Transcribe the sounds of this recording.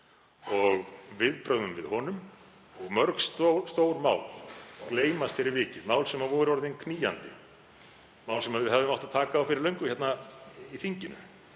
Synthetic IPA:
ɔɣvɪðpɾœɣðʏmvɪðhɔnʏm | ɔɣmœɾksst̪oːwɾmaːwlkleːjmast̪fɪɾɪɾvɪːcɪmaːwlsɛmavɔɾʏvɔɾʏðɪnkʰniːja̰nt̪ɪ̰ | maːwlsɛmaðvɪðɦɛvðʏmawht̪ḁt̪ʰaːkaːwfɪɾɪɾlœɥŋkʏçjɛt̪naiθiɲcɪnʏ̰

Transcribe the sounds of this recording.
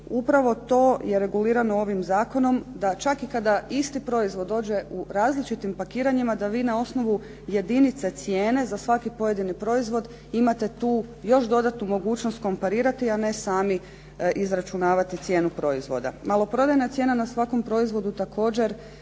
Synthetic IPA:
upɾaʋo̞t̪o̞ːje̞ɾe̞ɡuliːɾanoo̞ʋimzaːko̞no̞md̪at͡ʃakikad̪aist̪ipɾo̞izʋo̞d̪o̞ːd͡ʑe̞ʔuɾaːzlit͡ʃit̪impakiːɾaɲimad̪aʋiːnao̞sno̞ʋu | je̞d̪init̪set̪sje̞ːne̞zasʋakipo̞je̞d̪inipɾo̞izʋo̞d̪ | imat̪e̞t̪uːjo̞ʃd̪o̞d̪at̪numo̞ɡuːt͡ʃno̞st̪̚ko̞mpaɾiːɾat̪iane̞saːmi | ʔizɾat͡ʃunaːʋat̪it̪sje̞ːnupɾo̞izʋo̞̰d̪a̰malo̞pɾo̞d̪ajnat̪je̞ːnanasʋako̞mpɾo̞izʋo̞d̪ut̪ako̞ːd͡ʑe̞ɾ

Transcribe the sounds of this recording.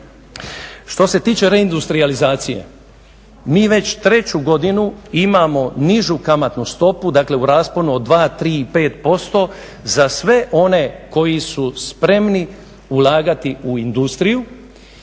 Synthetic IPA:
ʃt̪o̞se̞t̪iːt͡ʃe̞ɾe̞ind̪ust̪ɾializaːt̪sije̞̰ | miːʋe̞t͡ɕt̪ɾe̞t͡ɕuɡo̞d̪inuimamo̞niʒukamat̪nust̪o̞pud̪akle̞uɾaːsponuod̪ʋaːt̪ɾiːipe̞ːt̪po̞st̪o̞ | zasʋe̞ʔo̞ne̞ko̞jisuspɾe̞mni | ulaːɡat̪iuind̪ust̪ɾiju

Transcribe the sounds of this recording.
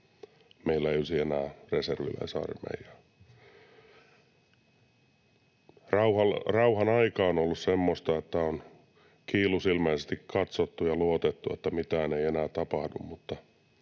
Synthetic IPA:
meilːæeiolʲsienæːreserʋḭlæ̰isɑ̰rmḛijɑ | rɑuhɑlrɑuhɑnɑikɑːonolːussemːost̪ɑet̪ːæon | kiːlusilmæisest̪ikkɑt̪sot̪ːujɑluot̪et̪ːuet̪ːæmit̪æːneienæːt̪ɑpɑhdṵmmut̪ːɑ

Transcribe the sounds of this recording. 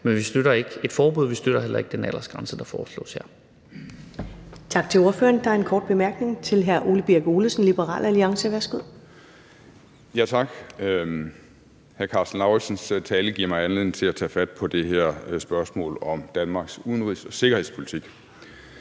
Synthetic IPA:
menʋisd̥øɾ̥ɐe̝ɡ̥əe̝d̥fɒːb̥oð̞̰ˠʋisd̥øɾ̥ɐɦel̰ɐe̝ɡ̥d̥enæl̰ɐsɡ̥ʁɑ̈nsəd̥ɑ̈fɒːslɔ̰̽ːshæ̰ɐ̰ | t͡sʰɑ̈ɡ̥̚t͡sʰe̝lo̝ɐfø̰ːɐnd̥ɑ̈æɐenkʰɒːd̥̚b̥e̝mæɐɡ̥ne̝ŋt͡sʰe̝lɦæɐʔo̝ːləb̥iɐɡ̥o̝ːləsn̩lib̥əʁɑ̰̈ːlæliɑ̈ŋsəʋæɐsɡ̥uð̰ˠ | jæt͡sʰɑ̈ɡ̥ | hæɐkʰɑ̈sd̥n̩ɑ̈ʊi̥sənst͡sʰɛːləɡ̥iɐ̰mɑ̈ɪænle̝ð̰ˠn̩t͡sʰe̝læt͡sʰɛ̰ːfæd̥̚pʰɒ̽d̥e̝ɦeɐ̰sb̥ɶɐsmɔ̰̽ːlɒ̽md̥ænmɑ̈ːɡ̥suðˠn̩ʁḭsɒ̽se̝ɡ̥ɐhe̝ð̰ˠspʰoli̥t͡sʰiɡ̥

